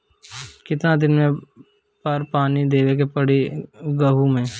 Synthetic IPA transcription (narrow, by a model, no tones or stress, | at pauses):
kɪt̪nad̪ɪnmẽ | pɐɾpaːnid̪eːʋek̬epɐɽeɡəɦumẽː